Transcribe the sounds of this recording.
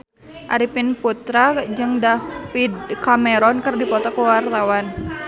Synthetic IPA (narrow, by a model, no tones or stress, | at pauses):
ʔa̰ɾipinput̪ɾad͡ʒɨŋdafidkamɛɾɔnkɨrdipɔt̪ɔkuwart̪awan